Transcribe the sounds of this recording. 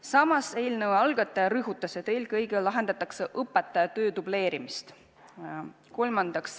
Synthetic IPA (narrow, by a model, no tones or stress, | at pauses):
sɑmɑse̞jlnɤweɑlɡ̥ɑt̪ːˑɑjɑɾɯɦut̪ˑːɑset̪ejlkɤjɡelɑɦe̞nd̪ɑt̪ːˑɑkseʔɤpːˑet̪ːˑɑjɑt̪ø̞ːt̪ub̥le̞ːɾimist̪ | ko̞lmɑnd̪ɑks